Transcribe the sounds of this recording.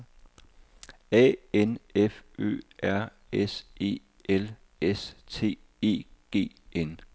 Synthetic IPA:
ɛ̰ːenefø̰ːæɐ̰ | ese̝̰ː | el | est͡sʰe̝̰̥ː | e̝̰ːɡ̥e̝̰ː | en

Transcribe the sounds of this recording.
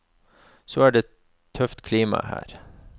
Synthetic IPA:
soæːɖeː | t̪ʰːœft̪kʰliːmɑ̰hæ̰ːɾ

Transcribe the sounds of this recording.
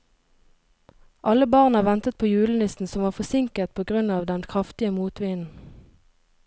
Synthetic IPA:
ʔɑləbɑːʁnɑːʋɛnt̪ət̪̚pʰoːjʉːlənɪsn̩sɔmʋɑːfɔsɪŋkət̪̚pʰoːɡʁʉnɑːʋd̪ɛnkʰʁɑft̪ɪəmuːt̪ʋiːnn̩

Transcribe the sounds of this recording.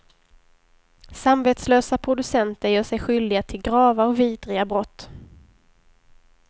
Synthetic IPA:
samveːt̪sløːsapʰɾʊd̪ɵsɛnt̪əjœːʂɛjɧʏld̪ɪɡat̪ʰɪlɡɾɑːvaɔkviːd̪ɾɪɡabɾɔt̪ː

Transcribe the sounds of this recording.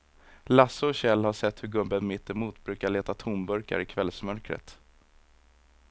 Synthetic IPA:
lasəɔɕɛlːhaʂɛt̪ːhɵɾɡɵbənmɪt̪ːɛmuːt̪bɾʉ̟ːkaɭeːt̪at̪ʰuːmbɵɾka̰ɾɪkʰvɛlsmœɾkɾə̰t̪

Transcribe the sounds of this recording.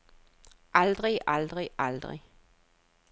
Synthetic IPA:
ʔɑld̪̥ʁiʔɑld̪ʁiʔɑld̪ʁɪ̰

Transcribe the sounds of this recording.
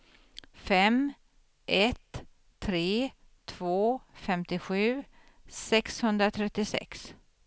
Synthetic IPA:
fɛm | ʔɛt̪ʰː | ɾeː | t̪ʰv̥oːfɛmt̪ɪɧʉ̟ː | sɛkshɵnd̪ɾat̪ʰɾɛt̪ːɪsɛ̰ks

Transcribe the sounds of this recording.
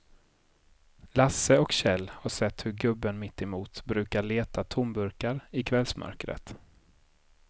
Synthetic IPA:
lasəɔkɕɛlːhaʂɛt̪ːhɵɾɡɵbːənmɪt̪ːɛmuːt̪bɾʉ̟ːkaɭeːt̪at̪ʰʊmbɵɾkaɾɪkʰvɛlsmœ̰ɾkɾə̰t̪

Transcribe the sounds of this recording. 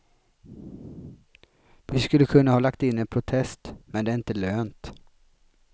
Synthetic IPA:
vɪskɵlːəkʰɵnːahɑːlakt̪ɪnːɛnpʰɾʊt̪ʰɛst̪mɛnd̪ɛæɾɪnt̪əløːnt̪

